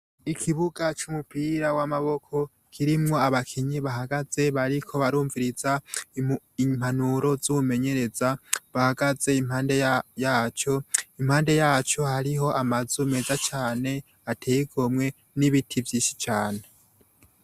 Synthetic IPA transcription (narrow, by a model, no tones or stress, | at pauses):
ikʰiβuɡat͡ʃumupiɾawamaβo̞kʰo̞ | kʰiɾimŋo̞aβakʰiɲiβahaɡaz̥e̞βaɾikʰo̞βaɾuːɱviɾiz̥a | im̥hanuɾo̞zuume̞ɲe̞ɾe̞zaβahaɡaz̥e̞imhaːnde̞jaːt͡ʃo̞imhaːnde̞jaːt͡ʃo̞haɾiɦo̞ʔamazume̞zat͡ʃaːne̞ | atʰeːjiɡomŋe̞ | niβitʰivjiːʃi̥t͡ʃaːne̞